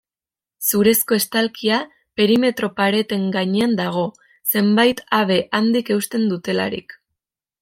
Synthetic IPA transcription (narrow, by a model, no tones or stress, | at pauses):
suɾe̞sko̞e̞st̪alkia | pe̞ɾime̞t̪ɾo̞paɾe̞t̪e̞ŋɡaɲeand̪aɣ̞o̞ | se̞mbajt̪aβe̞ʔand̪ike̞uwst̪e̞nd̪ut̪e̞la̰ɾḭk